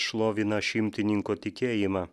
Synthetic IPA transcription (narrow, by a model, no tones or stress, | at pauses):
ʃlˠoːʋʲɪnɐʃʲɪmʲt̪ʲɪnʲɪŋkoːt̪ʲɪkʲeːjɪmɑ